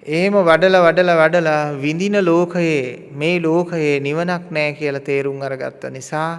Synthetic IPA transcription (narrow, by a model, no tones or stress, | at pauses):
eɦeməʋaɖəlɐʋaɖəlɐʋaɖəlaʋind̪inəloːkəje | meːloːkəjeːniʋənaknɛːkijəlat̪eːɾuŋaɾəɡa̰t̪ːənisaː